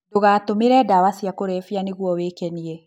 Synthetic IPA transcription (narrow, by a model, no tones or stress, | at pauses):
doɣaːtomeɾɛdawasiakoɾɛfianeɣwɔwekɛniɛ